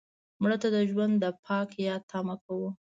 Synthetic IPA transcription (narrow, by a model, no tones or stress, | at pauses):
muɽat̪ad̪əʒwand̪dːəpʰɑkjɑt̪ʰɑmakawu